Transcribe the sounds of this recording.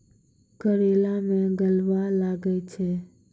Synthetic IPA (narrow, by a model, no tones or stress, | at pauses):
kəɾelamẽɡəlʋalaɡəjt͡ʃʰe